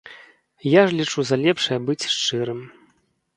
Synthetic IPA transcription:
jaʐlʲit͡ʂuzɐlʲɛpʂɐjɐbɨt͡sʲʂt͡ʂɨɾɨm

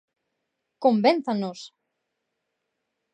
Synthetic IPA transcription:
kombenθanos

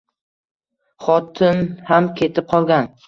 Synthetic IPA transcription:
χɒt̪ʰɪnhamkʲʰe̞t̪ʰɪp̚qʰɒlˠɡʲan

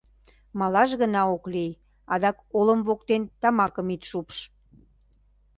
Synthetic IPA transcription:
mɑlɑʒɣənɑoklej | ɑd̪ɑkolə̆mβokt̪ent̪ɑmɑkəmit̪ʃupʃ

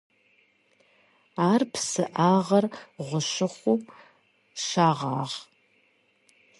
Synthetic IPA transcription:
aːrpʰsɨʔaːʁɐrʁʷʊʃɪχʷum | ʃaːʁa̰ːʁ

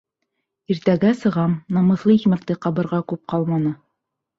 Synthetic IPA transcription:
iɾt̪æɡæsɤ̆ʁɑmnɑmɤ̆θlˠɤikmæk̚t̪ɘqɑβɤ̆ɾʁɑkʉp̚qɑlˠmɑnɤ

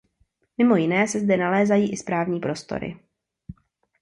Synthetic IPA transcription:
mɪmo̞jɪnɛːsɛzdɛnalɛːzajiːʔɪspɾaːvɲiːpɾo̞st̪o̰ɾɪ̰

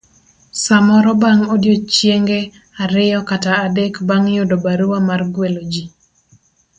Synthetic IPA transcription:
samɔɾɔbaŋodjot͡ʃjeŋɡe | aɾɪjɔkataːdɛkbaŋjodobaɾuwamarɡwelod͡ʒi

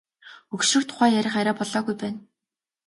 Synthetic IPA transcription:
ɵkʃɵ̆kt̪ʰʊ̥χæːjæɾʲɪ̆χaɾʲaːpɔɮɔːɣujpæːn

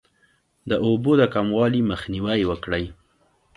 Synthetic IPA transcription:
d̪əʔobod̪əkamwɑliməxniwajwəkɽəj

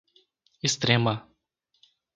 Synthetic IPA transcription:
est̪ɾẽmɐ

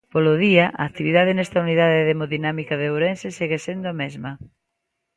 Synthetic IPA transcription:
polʊðiɐʔa̰ːkt̪iβiðaðɪnɛst̪ɐuniðaðeðemoðinamikaðeowɾensɪseɣesend̪ʊamezmɐ

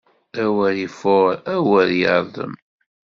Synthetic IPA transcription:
æwæɾifoɾæwəɾjə̰ɾˤðˤə̰m

